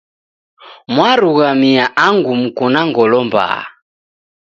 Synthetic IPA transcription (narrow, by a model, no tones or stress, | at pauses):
mwaɾuɣamiaʔaŋɡumukunaŋɡɔlɔmba̰ː